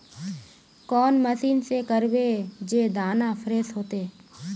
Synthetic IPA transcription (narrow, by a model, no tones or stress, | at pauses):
kɔːnməsiːnsekəɾbed͡ʒeːd̪aːnapʰɾeːsɦoːt̪eː